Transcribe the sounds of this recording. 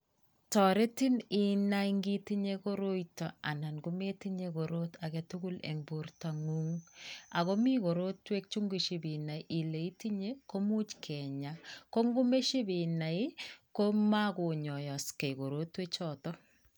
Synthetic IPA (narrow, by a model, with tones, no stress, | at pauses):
tɔ˨ɾe˦ti˦ni˨naiŋɡi˦ti˦ɲeko˦ɾo˦jtɔ˨a̰˨na˨nɡu˦me˦ti˦ɲe˦ko˨ɾo˦ta˨kɛ˦tu˦ɡu˦lḛ˨ŋbu˦rta˨ŋu˦ŋa˨ko˦mi˦ko˨ɾo˦twe˦k̚t͡ʃu˦ŋɡi˨ʃi˨bi˨na˨iʔi˨le˨i˦ti˦ɲe˦ko˦mu˦t͡ʃkʰɛ˨ɲa˨ko˦ŋɡu˦me˦ʃi˦bi˨na˨jko˦ma˦ko˨ɲɔ˨jɔ˨ske˨ko˨ɾo˦twe˦t͡ʃɔtɔ˦